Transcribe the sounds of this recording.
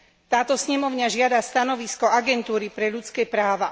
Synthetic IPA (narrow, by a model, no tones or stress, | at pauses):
t̪aːt̪ɔsɲɛmɔʊɲaʒɪad̪ast̪anɔʋiskɔaɡɛnt̪uːɾipɾɛʎut͡skɛːpɾaːʋa